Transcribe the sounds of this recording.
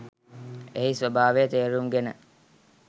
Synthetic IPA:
eɦisʋəbʱaːʋejət̪eːɾuŋɡenə

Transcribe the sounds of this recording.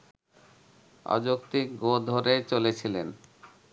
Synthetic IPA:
ɔ̰d͡ʑokt̪ikɡod̪ʱoɾet͡ɕolet͡ɕʰilen

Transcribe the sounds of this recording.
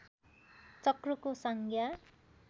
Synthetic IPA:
t͡sʌkrukosʌŋkja

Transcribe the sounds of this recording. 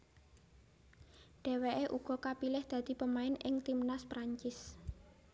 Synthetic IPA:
ɖ̪̥e̤weʔeʔuɡ̥ɔ̤kapilɪhd̪̥ä̤d̪̥i̤pəmaɪnɪŋt̪imnaspɾaɲt͡ʃɪs

